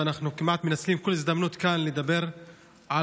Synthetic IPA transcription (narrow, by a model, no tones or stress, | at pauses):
anaχnukimʔat̪menat͡slimkolizd̪amnut̪kanled̪abe̞ɾ | ʕa